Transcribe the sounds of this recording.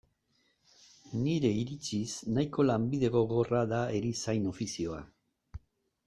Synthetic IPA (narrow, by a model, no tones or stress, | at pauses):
niɾe̞iɾit͡ʃisnajko̞lambið̞e̞ɣo̞ɣo̞raðae̞ɾisajno̞fisio̞a̰